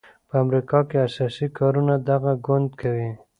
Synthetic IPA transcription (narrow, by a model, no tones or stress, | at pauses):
pəamɾikɑkeasɑsikɑɾunad̪aɣaɡʊnd̪kʰawi